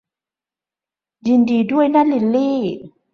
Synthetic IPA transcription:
ji˨ndi˨du˦ə˨jna˦li˨lːi˦

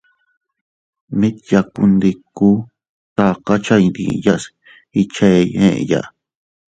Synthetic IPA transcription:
mĩ˦t̪ja˧ku˧nd̪i˧ku˦ | t̪a˧ka˦t͡ʃa˦ĩ˧nd̪ḭ˧ja˦s | i˧t͡ʃe˦˧ḛ̃˦ʔja̰˦˧

